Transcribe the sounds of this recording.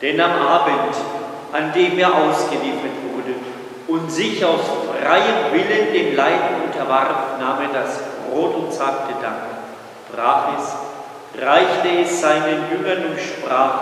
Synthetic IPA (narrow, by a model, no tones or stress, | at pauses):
d̥ɛnamʔaːbənt | ʔandeːmeːɐʔaʊsɡ̥əliːfɐtv̥ʊʁdə | ʊntz̥ɪçaʊsfʁ̥aɪəmvɪləndeːmlaɪdn̩ʊntʰɐvaʁfnaːmeːɐdasb̥ʁoːtʊntt͡saːk̚dədaŋk | d̥ʁaːχɛs | ʁaɪçtəɛsz̥aɪnənjʏŋɐnʊʃpʁ̥aːχ